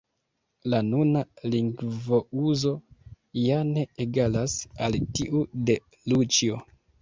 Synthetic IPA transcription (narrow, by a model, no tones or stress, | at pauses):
lanunaliŋɡvo̞uzo̞ | jane̞ːɡalasaltiʔude̞ | lut͡ʃio̞